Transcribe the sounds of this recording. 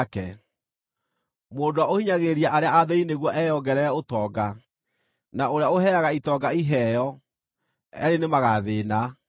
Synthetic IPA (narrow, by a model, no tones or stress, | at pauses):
kɛ | moːdwaohiɲaɣeɾiaʔaɾeaaðɛineɣwɔʔɛjɔɡɛɾɛɛotɔːɡa | naoɾeaoɦɛaɣaitɔɡaiɦɛjɔ | ɛ̰ɾenemaɣaðeːna